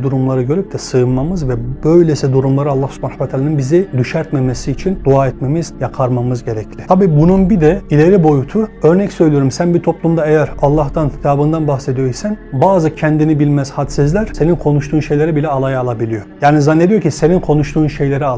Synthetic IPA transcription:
d̪uɾumlˠaɾɯɟø̞ɾyp̚d̪ʰɛsɯɯnmamɯzvɛbø̞jlʲesid̪uɾumlˠaɾɯalˠːahsu̥pʰanakvɛt̪ʰaːlʲaninbizid̪yʃæɾt̪memesiːt͡ʃʰind̪uaːɛt̪memiz̥jakʰaɾmamɯzɟe̞ɾɛcʰlʲit̪ʰabiːbununbid̪ɛilʲe̞ɾibo̞jut̪ʰuø̞ɾnɛcsø̞jlʲijo̞ɾumsænbit̪ʰo̞plˠumd̪aejæɾɑlˠːaɦd̪ancʰi̥t̪ʰaːbɯnd̪anbaxsed̪ijo̞jisænbaːzɯcʰɛnd̪inibilʲmæzhat̪sizlʲæɾ̥se̞ninkʰo̞nuʃt̪uːnʃe̞jlʲe̞ɾibilʲɛalˠajaːlˠabilʲijo̞jaːnizanːed̪ijo̞ɾcʰise̞ninkʰo̞nuʃt̪ʰuːnʃe̞jlʲe̞ɾia

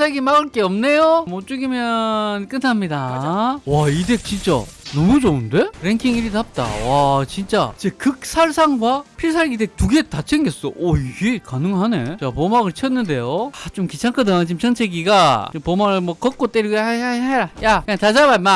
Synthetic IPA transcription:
sʰaɭɡimaɡɯɭk͈eʌmne̞jomot͡ɕ͈uɡimjʌnk͈ɯntʰamɲidawaide̞k̚t͡ɕint͡ɕ͈a̰nʌmud͡ʑounde̞ɾeŋkʰiŋiɾitap̚t͈a̰wat͡ɕint͡ɕ͈a̰d͡ʑekɯk̚s͈ʰaɭsʰaŋɡwapʰiɭs̬ʰaɭɡidek̚tuɡe̞tat͡ɕʰeŋɡes͈ʌʔoiɡe̞kanɯŋɦane̞̰t͡ɕapomaɡɯɭt͡ɕʰiʌnːɯnde̞joat͡ɕomkit͡ɕʰaŋkʰɯdaŋt͡ɕimt͡ɕʰʌnt͡ɕʰe̞ɡiɡaɯpomaɡɯɭmwʌkʌk͈ot͈eɾiɡoaaeɾajakɯɲaŋt͡ɕad͡ʑabama

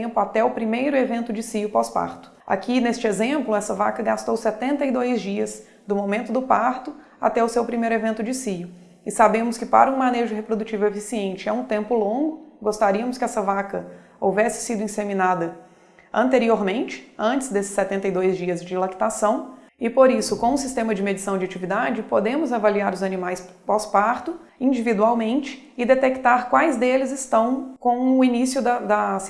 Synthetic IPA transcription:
ẽmplʊat̪ɛʊpɾimejɾʊevẽnt̪ʊd͡ʒɪsijʊpɔspa̰ɾt̪ʊ̥a̰kʰinest͡ʃɪezẽmplʊɛsɐvakɐɡast̪owset̪ẽnt̪ɐid̪ojzd͡ʒiɐs | d̪ʊmomẽnt̪ʊd̪ʊpaɾt̪ʊ | a̰t̪ɛʊsewpɾimejɾʊevẽnt̪ʊd͡ʒɪsijʊ | ɪsabẽmʊskɪpa̰ɾɐũmaneʒʊɦepɾod̪ut͡ʃivʊefisiẽnt͡ʃɪɛũt̪ẽmpʊlõɡʊɡost̪aɾiɐmʊskɪɛsɐvakɐ | owvɛsɪ̥sid̪ʊĩsemĩnad̪ɐ | ɐ̃nt̪eɾioɾmẽnt͡ʃɪ̥ɐ̃nt͡ʃɪ̥zd̪esɪ̥sːɛt̪ẽnt̪ɐjd̪ojzd͡ʒiɐzd͡ʒɪlaki̥t̪asɐ̃w̃ | ɪpoɾisʊkõũsist̪ẽmɐd͡ʒɪmed͡ʒisɐ̃w̃d͡ʒɪat͡ʃivid̪ad͡ʒɪpod̪ẽmʊzavaliaɾʊzɐnĩmajspɔspaɾt̪ʊĩd͡ʒivid̪uawmẽnt͡ʃɪ̥ | ɪd̪et̪ekt̪aɾkwajzd̪elɪzɪst̪ɐ̃w̃kõw̃ʊinisjʊd̪ɐd̪ɐ

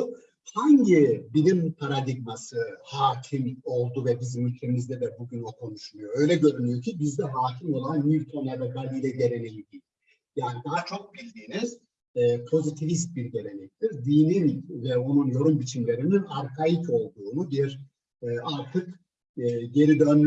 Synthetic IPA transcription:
haɲɟibilimpʰaɾad̪iɡmasɯhaːcʰimo̞lˠd̪uvɛbizmylʲc̪ʰe̞mizd̪ɛd̪ɛbuɟynokʰo̞nuʃulˠujoø̞jlʲɛɟø̞ɾynyjo̞cʰibizd̪ɛɦaːcʰimo̞lˠanmiɾʲt̪ʰo̞nelʲoɡalʲijlʲɛɟe̞ɾe̞nejid̪ic | jaːnid̪aɦat͡ʃʰo̞k̚billiniz̥ | pʰo̞zit̪ʰivist̪̚biɾɟe̞ɾe̞nɛc̚t̪ʰiɾd̪iːninvɛonunjo̞ɾumbit͡ʃʰimlʲe̞ɾininaɾkʰajit̪ʰo̞lˠd̪uːnud̪iɾ | aɾt̪ʰɯkː | ɟe̞ɾid̪øn

